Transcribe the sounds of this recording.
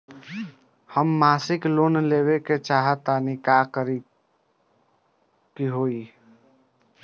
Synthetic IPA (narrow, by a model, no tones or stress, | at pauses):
həmːaːsɪkloːnleːweket͡ʃaːɦət̪anikaːkəɾi | kiɦoːi